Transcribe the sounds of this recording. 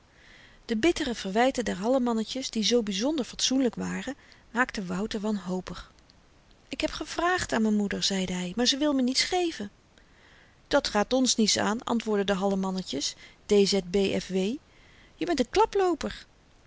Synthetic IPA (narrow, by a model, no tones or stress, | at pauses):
d̥əbɪtərəv̥əɹʋɛjtədɛɹɦɑləmɑnəcəsdizowbizɔndəɹfɑtsunləkʋaːrəmaːktəʋɑwtəɹʋɑnɦowpəχ | ɪkɦɛpχəv̥raːχtaːnmɛnmudəɹz̥ɛjdəɦɛjmaːɹzəʋɪlˠmənitsχejvən | d̥ɑtχaːtɔnsnitsa̰ːnɑ̰ntʋʊːɹdədəɦɑləmɑnəcəsd̥ejzɛt̚bejʔɛ̰fʋej | jəbɛntənklɑplowpəɹ